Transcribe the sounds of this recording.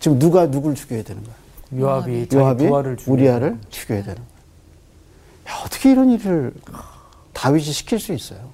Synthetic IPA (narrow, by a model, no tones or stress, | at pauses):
t͡ɕimnuɡanuɡuɭt͡ɕu̥ɡjoɦjedwenɯnɡʌjojoabijoɦabiɾɯuɾiaɾɯɭt͡ɕu̥ɡʰʲjojadwenɯnɡʌ | jaʌt͈ʌ̥kʰeiɾʌniɾɯɭ | taɥiɕʰiɕʰi̥kʰiɭs͈uis͈ʌjo